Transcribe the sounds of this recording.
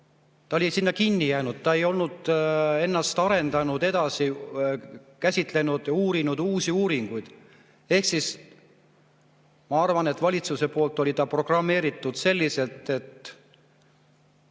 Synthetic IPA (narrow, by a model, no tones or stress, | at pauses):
t̪ɑolʲisinːɑkinʲːijæːnud̪̥̚t̪ɑe̞jo̞lnud̪̥e̞nːɑst̪ɑɾe̞nd̪ɑnud̪̥e̞d̪̥ɑsi | kæsʲit̪ˑle̞nud̪̥uːɾinud̪̥uːsiuːɾiŋɡ̥ujd̪̥ | e̞hksis | mɑɑrvɑne̞t̪ːˑvɑlʲit̪suse̞po̞ːlt̪ːˑo̞lʲit̪ɑpro̞ɡ̥rɑmːe̞ːɾit̪ːˑud̪̥se̞lːise̞lt̪e̞t̪